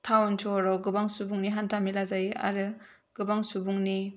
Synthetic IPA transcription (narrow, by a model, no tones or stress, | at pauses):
tʰawntʰɔɾawɡɯbaŋsubuŋniɦantʰamilazaja̰ɾɯ | ɡ̥ɯbaŋsubuŋni